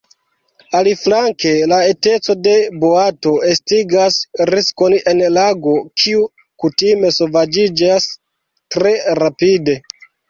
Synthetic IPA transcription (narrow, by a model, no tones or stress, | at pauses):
aliflaŋke̞lae̞te̞t͡so̞de̞boato̞estiɡasɾisko̞ne̞nlaɡo̞kʰiu | kutime̞sovad͡ʒid͡ʒas | tɾe̞ɾapide̞